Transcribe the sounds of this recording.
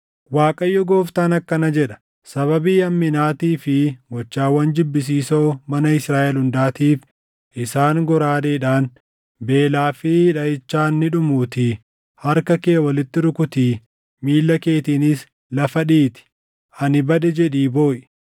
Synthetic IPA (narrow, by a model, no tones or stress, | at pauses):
waːkʼɐjːɔɡo̞ːft̪aːnɐkːɐnɐd͡ʒɛᶑɐ̥ | sɐβɐbiːɐmːɪnaːt̪iːfɪɡɔt͡ʃːaːwːɐnd͡ʒɪbːɪs̬iːso̞ːmɐnɐɪsɾaːʔɛlhʊnd̪aːt̪iːf | ʔɪsaːŋɡɔɾaːd̪eːᶑaːn | be̞ːlaːfɪᶑɐʔɪt͡ʃːaːnːɪᶑʊmuːt̪i | hɐɾkɐkeːwɐlɪt̪ːɪɾʊkʊt̪iː | miːlːɐke̞ːt̪iːnɪs | lɐfɐᶑiːt̪ɪ̥ | ʔɐnɪbɐd̪ɛd͡ʒɛᶑiːbo̞ːʔɪ̥